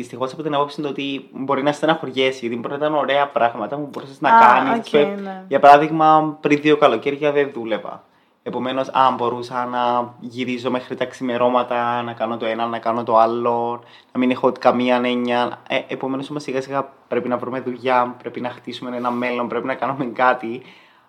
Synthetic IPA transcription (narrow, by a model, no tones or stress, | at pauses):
ðist̪ixo̞sɐpo̞t̪inɐpopsind̪oot̪ibo̞ɾinɐest̪enɐxoɾʝe̞siʝɐt̪imboɾinɐit̪ɐnoɾe̞ɐpɾɐɣmɐt̪ɐmubo̞ɾuseznɐkɐniseʝɐpɐɾɐðiɣmɐpɾinðio̞kɐlo̞ce̞ɾʝɐðenðule̞vɐ̰ | epo̞me̞no̞sɐ̰mbo̞ɾusɐnɐʝiɾizo̞me̞xɾit̪ɐksime̞ɾo̞mɐt̪ɐnɐkɐno̞t̪oenɐnːɐkɐnot̪o̞ɐlːon | nɐminexoot̪i̥kɐmiɐne̞ɲːɐneepo̞me̞nosomosiɣɐsiɣɐpɾe̞pinɐvɾume̞ðuʝɐpɾe̞pinɐxt̪isume̞nenɐmːe̞lːo̞mpɾe̞pinɐkɐnumeŋkɐt̪i